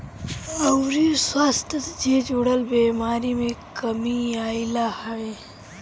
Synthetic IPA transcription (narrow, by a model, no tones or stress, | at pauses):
ɐwɾiswaːst̪ɐt̪d͡ʒeːd͡ʒoɽɐlbeːmaːɾimẽkɐmiaːilahɐwe